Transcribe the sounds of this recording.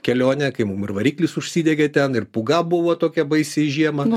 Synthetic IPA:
kʲɛlʲoːnʲɛkɐɪmumɪrʋɐɾʲiːklʲisʊʃʲsʲiːd̪ʲɛɡʲɛt̪ʲɛnɪrpʊɡɐbuʋɐt̪oːkʲɛbɐɪsʲɛʒʲiɛmɐ

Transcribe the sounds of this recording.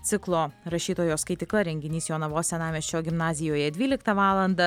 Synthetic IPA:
t̪ʲɪklˠoːɾɐʃʲiːt̪oːjoːskɐɪt̪ʲɪklˠɐɾʲɛŋʲɡʲɪnʲiːsjoːnɐʋoːsʲɛnɑːmʲɛsʲt͡ʃʲoːɡʲɪmnɑːzʲɪjoːjɛd̪ʲʋʲiːlʲɪkt̪ɐʋɑːlˠɐnd̪ɐ

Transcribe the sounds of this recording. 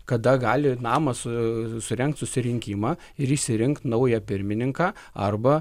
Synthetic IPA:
kɐd̪ɐɡɑːlʲɪnɑːmɐssʊɾʲɛŋkt̪sʊsʲɪɾʲɪŋʲkʲiːmɑː | ɪɾiʃʲsʲɪɾʲɪŋkt̪nɐʊjɛpʲɪɾʲmʲɪnʲɪŋkɑː | ɐ̰rbɐ

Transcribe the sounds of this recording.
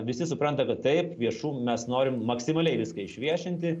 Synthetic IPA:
ʋʲɪsʲɪsʊpɾɐnt̪ɐkɐt̪t̪ɐɪpʋʲiɛʃuːmʲɛsnoːɾʲɪmmɐksʲɪmɐlʲɛɪʋʲɪskɐɪʃʲʋʲiɛʃʲɪnʲt̪ʲɪ

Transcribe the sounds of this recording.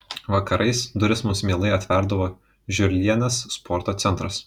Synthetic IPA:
ʋɐkɐɾʔɐɪsd̪ʊɾʲɪsmʊmsmʲeːlˠɐɪɐt̪ʲʋʲɛɾd̪ɐʋoː | ʒʲʊɾʲlʲiɛnʲɐsːpʰɔːɾt̪oːt̪sʲɛnt̪ɾɐs

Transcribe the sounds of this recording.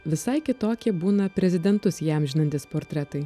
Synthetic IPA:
ʋʲɪsɐɪkʲɪt̪oːkʲiɛbuːnɐpʲɾʲɛzʲɪd̪ʲɛnt̪ʊsjæmʒʲɪnɐnʲt̪ʲɪspoːɾʲt̪ʲɾʲɛt̪ɐɪ

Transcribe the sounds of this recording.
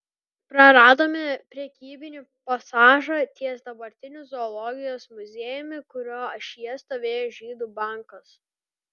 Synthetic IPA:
pɾɐɾɑːd̪oːmʲɪpʲɾʲɛkʲiːbʲɪnʲiː | pɐsɑːʒɐt̪ʲiɛsd̪ɐbɐɾʲt̪ʲɪnʲʊzɔːlˠɔɡʲɪjoːsmʊzʲeːjʊmʲɪkʊɾʲoːɐʃʲjɛst̪oːʋʲeːjoːʒʲiːd̪uːbɑˑŋkɐs

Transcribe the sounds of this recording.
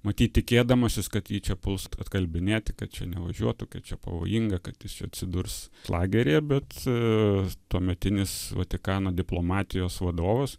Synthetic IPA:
mɐt̪ʲiːt̪̚t̪ʲɪkʲeːd̪ɐmɐsʲɪskɐt̪jiːt͡ʃʲɛpʊlˠsɐt̪ɐt̪kɐlʲbʲɪnʲeːt̪ʲɪkɐt̪̚t͡ʃʲɛnʲɛʋɐʒʲuɔt̪ukʲɐtt͡ʃʲɛpɐ̰ʋo̰ːjiŋɡɐkɐt̪jɪst͡ʃʲɛɐt̪ʲsʲɪd̪ʊrslˠɑːɡʲɛɾʲeːbʲɛt̪ | t̪uɔmʲɛt̪ʲɪnʲɪsʋɐ̰t̪ʲɪkɑːnoːd̪ʲɪplˠoːmɑːt̪ʲɪjoːsʋɐd̪oːʋɐs

